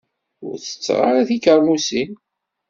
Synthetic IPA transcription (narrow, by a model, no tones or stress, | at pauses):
ʊ̰ɾθə̥t͡sːʁa̰ɾaθikəɾmusin